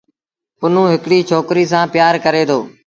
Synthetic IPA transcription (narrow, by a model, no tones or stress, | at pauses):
ʊn̤ũːɦɪkɽiːt͡ʃʰoːkɾiːs̬ãːpɪjaːɾkəɾeːt̪ʰoː